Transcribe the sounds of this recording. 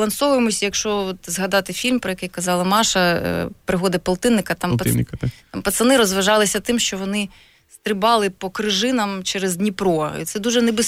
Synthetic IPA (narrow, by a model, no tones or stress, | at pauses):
lˠɐnsɔʋʊjemɔsʲjɐkʃt͡ʃɔɔt̪zɦɐd̪ɑt̪ɪfʲilʲmpɾɔjɐkɛjkɐzɑlˠɐmɑʃɐpɾɪɦɔd̪ɐpɐlˠt̪ɪnːɪkɐt̪ɑmpt̪ɑmpɐt̪sɐnɪɾɔzʋɐʒɑlˠɪsʲɐt̪ɪmʃt͡ʃɔʋɔnɪ | st̪ɾɪbɑlˠɪpɔkɾɪʒɪnɐmt͡ʃɛɾezd̪ʲnʲipɾɔɐ̰ḭt̪sɛd̪uʒɛnɛbɪs